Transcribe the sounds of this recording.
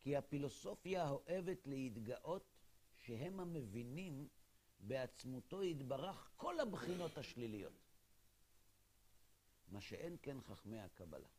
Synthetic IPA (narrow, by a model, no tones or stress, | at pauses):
kihafilo̞so̞fjaɦo̞ʔe̞ve̞tlehid̪ɡaʔo̞tʃeɦe̞mhame̞vinim | beat͡smuto̞itbaʁaχko̞labχino̞thaʃlilijo̞̰t̪ | maʃeʔenke̞nχaχmejha̰kaba̰la̰